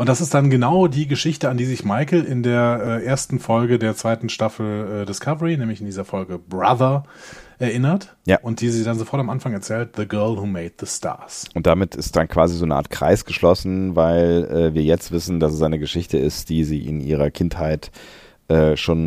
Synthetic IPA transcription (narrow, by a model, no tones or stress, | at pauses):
ʔʊntd̥asɪstd̥anɡənaʊdiːɡəʃɪçtəandiːzɪçmaɪkl̩ɪndeːɐʔɛːʔeːɐstn̩fɔlɡədeːɐt͡sv̥aɪtn̩ʃtafl̩ɛːdɪskʰavəʁinɛːmlɪçɪndiːzɐfɔlɡəbʁa̰ðɐʔɛɐʔɪnɐt | jaːʔʊnt̚d̥iːziːdanzofɔɐtamʔanfaŋɛɐt͡sɛːlt̚ðəɡɜɐlhuːmeɪt̚ðəstʰa̰ɐsʔʊntd̥amɪtʰɪst̚d̥ankv̥aːzizoːnəʔa̰ɐtkʁ̥a̰ɪsɡ̥əʃlɔsn̩vaɪlɛːviːɐjɛt͡stv̥ɪsn̩dasɛs̬ʔaɪnəɡəʃɪçtəɪstd̥iːziːʔɪ̰nʔḭːʁ̞ɐkʰɪnthaɪt | ʔɛːʃoːn